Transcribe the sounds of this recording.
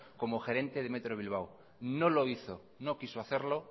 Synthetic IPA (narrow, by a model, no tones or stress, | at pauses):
ko̞moxe̞ɾe̞nt̪eð̞eme̞t̪ɾoβ̞ilβ̞aw | noloiθo | no̞kisoaθe̞ɾlo̞